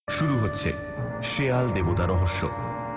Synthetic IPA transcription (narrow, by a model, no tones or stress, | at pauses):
ʃuɾuɦotːɕʰḛ | ʃeald̪ebot̪aɾɔɦoʃːo̰